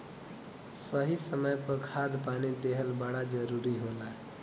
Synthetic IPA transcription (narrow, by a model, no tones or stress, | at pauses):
səɦisəməjpəkʰad̪panid̪eɦəlbəɽad͡ʒəɾuɾiɦola